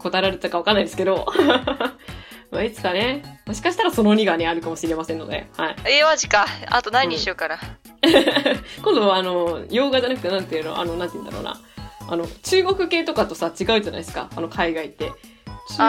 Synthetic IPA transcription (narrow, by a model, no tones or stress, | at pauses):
ko̞t̪aɾaɾɯt̪ːakaβakanːaijd̪esɨ̥ke̞d̪o̞ | mait͡sɨ̥kane̞moɕi̥kaɕi̥t̪aɾaso̞no̞ɲ̟iɡane̞aɾɯ̟kamo̞ɕiɾe̞masẽ̞nːo̞̰d̪ḛhaieβaʑikaa̰t̪onaiɲiɕokaɾa | kond̪o̞βaːno̞jo̞ːɡad͡ʑanakɯ̟t̪e̞nãnt̪ejɯ̟no̰ʔa̰no̞nãnt̪eiɯ̟nd̪aɾo̰ːna̰ano̞t͡ɕɨːɡo̞kɯ̟ke̞ːt̪o̞kat̪o̞sat͡ɕiɡaɯ̟ʑana̰isɨ̥ka̰ano̞kʰaiɡait̪ːe̞